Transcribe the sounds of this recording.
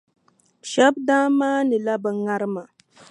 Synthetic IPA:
ʃɛ˦b̚daː˦maː˦nɨ˨la˦bɨ˨ŋa˦ɾɨ˦ma˨

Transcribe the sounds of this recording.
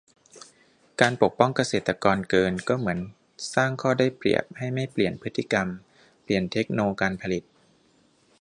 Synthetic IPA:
kaː˧npo˨˩k̚pɔ˥˩ŋka˧seː˨˩t̪ːa˧kɔː˧nkɤː˧nkɔː˥˩mɯ˩˦ən | saː˥˩ŋkʰɔː˥˩daː˥˩jplḭ˨˩əp̚ha˥˩jma˥˩jpli˨˩ənpʰɯ˦˥t̪ʰːi˧˥˩ka˧m | pli˨˩ənt̪ʰe˦˥k̚noː˧kaː˧npʰa˧li˨˩t̪̚

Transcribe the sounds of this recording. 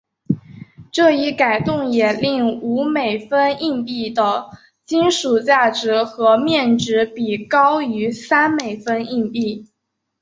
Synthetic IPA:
ʈ͡ʂɤ˥˧i˥˩ka˨˩ɪt̪ʊ˥˩ŋjɛ˨˩li˥˩ŋu˧˥me˨˩ɪfə˥ni˥˧ŋpi˥˩d̪ə˩ | t͡ɕi˥nʂu˨˩t͡ɕja˥˩ʈ͡ʂɻ̩˧˥xɤ˧˥mjɛ˥˩nʈ͡ʂɻ̩˧˥pi˨˩kɑ˥ʊy˧˥sa˥nme˨˩ɪfə˥ni˥˧ŋpi˥˩

